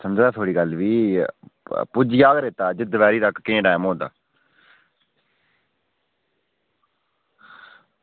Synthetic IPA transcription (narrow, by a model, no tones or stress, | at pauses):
səmd͡ʒd̪aːt̪ʰoːɽiːɡəlʋiː | pʊd͡ʒijaːkɾeːt̪aːd͡ʒɪd̪ʋɛːɾiːt̪əkkẽːʈɛːmõːd̪a̰ː